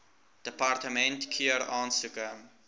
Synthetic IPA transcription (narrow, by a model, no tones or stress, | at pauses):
d̥əpɑrtəmɛntkʰiəɾɑːnsukə